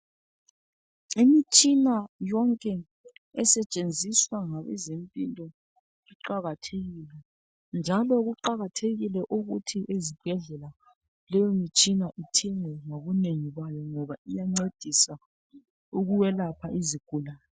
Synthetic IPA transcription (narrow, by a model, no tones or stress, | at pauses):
imit͡ʃʼinajɔŋkʼɛ | ɛsɛt͡ʃʼend͡zʱiswaŋaβɛ̰zempʼilɔ | iǃaɣatʰeɣilɛ | nd͡ʒʱalɔɣuǃaɣatʰeɣilɛʔuɣutʰiʔezib̥ʱɛɮɛla | lɛjɔmit͡ʃʼinaʔitʰɛŋɛŋoɣuneŋiɣwajɔŋɔβaijaŋ͡ǀed̥ʱisa | uɣuwɛlapʰaʔiziɡ̥ʱulaːjɔ